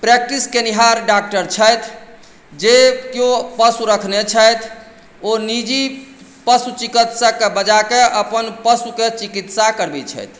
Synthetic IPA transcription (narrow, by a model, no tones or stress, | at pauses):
pɾek̚ʈiskeniɦaɾɖak̚ʈəɾt͡ʃʰəjt̪ʰ | d͡ʒekjopəsuɾəkʰnet͡ʃʰəjt̪ʰ | onid͡ʒi | pəsut͡ʃikit̪sakebəd͡ʒakeʔəpənpəsuket͡ʃikit̪sakəɾbit͡ʃʰə̰jt̪ʰ